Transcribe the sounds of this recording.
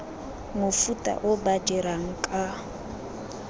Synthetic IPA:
mʊfutʼa̰ʔʊbad͡ʒɛɾaŋ̩kʼa

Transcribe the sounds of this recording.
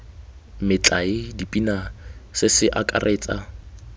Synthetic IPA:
mɪt͡ɬʼaɪdipʼinasɪsɪʔakʼa̰rʔeːt͡sʼa

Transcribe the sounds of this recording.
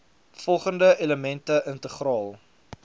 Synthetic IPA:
fɔlˠχəndəʔeləmɛntəʔəntəχrɑːlˠ

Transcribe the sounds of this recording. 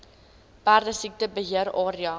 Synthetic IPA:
b̥ærdəsik̚təbəɦiəɾɑːɾiɑ

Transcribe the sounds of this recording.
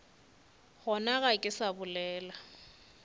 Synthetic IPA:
hɔnaɣakʼɪsabʊlɛːla

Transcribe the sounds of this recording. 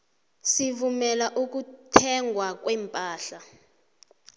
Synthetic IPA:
sivumɛlaʔuk̬utʰɛŋɡʱwak̬wɛmpʼaːɬa

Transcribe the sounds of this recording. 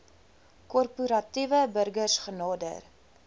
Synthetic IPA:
kɔrpuɾɐtivəbərɡərsχənɑːdə̰r

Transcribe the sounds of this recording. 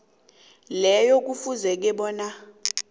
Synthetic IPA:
lɛjok̬ʼufuzɛk̬ɛɓɔːna

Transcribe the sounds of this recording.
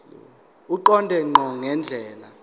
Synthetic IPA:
uǃɔndʱɛŋ͡ǃʱɔŋɛnd͡ɮʱɛːla

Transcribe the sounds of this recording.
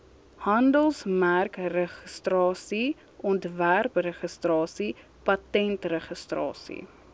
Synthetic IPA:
hɐndəlˠsmærkrəχəstrɑːsi | ʔɔntværprəχəstrɑːsi | pɐtɛntrəχəstrɑ̰ːsḭ

